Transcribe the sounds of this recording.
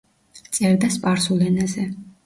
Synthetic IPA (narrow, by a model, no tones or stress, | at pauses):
t̪sʼɛɾd̪aspʼaɾsulɛnazɛ